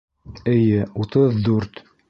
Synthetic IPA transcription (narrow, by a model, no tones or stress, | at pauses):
ɘ̆jɘut̪ɤðːʉɾt̪